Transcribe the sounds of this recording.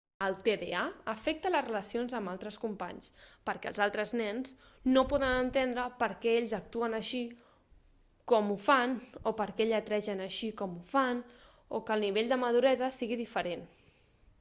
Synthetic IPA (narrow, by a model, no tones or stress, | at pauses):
əlˠt̪eðeaəfɛk̚t̪ələzrələsionzəmalˠt̪ɾəskumpa̰ɲspəɾkɛ̰lˠzalˠt̪ɾəznɛns | nopɔðənənt̪end̪ɾəpəɾkɛeʎzək̚t̪uənəʃi | kɔmufanopəɾkɛeʎzət̪ɾɛʒənəʃikɔmufan | okəlˠniβ̞eʎd̪əməðuɾɛzəsiɣiðifəɾen